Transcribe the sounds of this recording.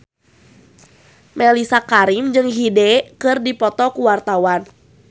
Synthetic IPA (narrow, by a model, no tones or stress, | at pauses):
melisakaɾimd͡ʒɨŋɦidɛkɨrdipɔt̪ɔkuwart̪awan